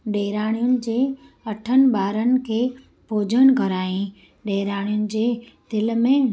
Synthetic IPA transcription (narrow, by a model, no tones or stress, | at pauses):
ɖeːɾaːɽ̃ijʊnɪ̆d͡ʑeː | ɐʈʰənɪ̆baːɾənɪ̆kʰeː | poːd͡ʑəñɡʱəɾaːĩ | ɖeːɾaːɽ̃ijʊnɪ̆d͡ʑeːt̪ɪlmẽ